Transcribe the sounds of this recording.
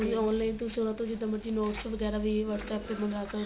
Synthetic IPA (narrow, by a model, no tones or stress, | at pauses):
ɔːnlaːint̪ʊsĩʊnãːt̪õd͡ʒɪd̪ə̃məɾd͡ʒiːnɔːʈsəʋəɡɛːɾaːʋiːʋəɽsɛːpːebənɾaːt̪a